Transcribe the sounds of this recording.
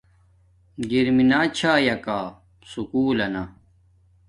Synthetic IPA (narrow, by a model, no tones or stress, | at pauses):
ɡiɾminaːt͡ɕʰaːjɐkaː | sukuːlɐna